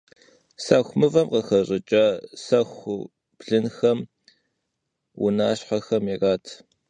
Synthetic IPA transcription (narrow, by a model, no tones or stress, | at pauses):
sɐxʷmɨvɐmqɐxɐɕʼɪt͡ʃʼɐsɐxʷʊ | b̥ɮɨnxɐm | wʊ̰naːɕħaxɐmiraːtʰ